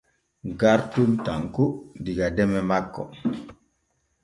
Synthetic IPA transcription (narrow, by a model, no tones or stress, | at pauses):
ɡaɾtumtaŋkudiɡadɛmɛmakːɔ̰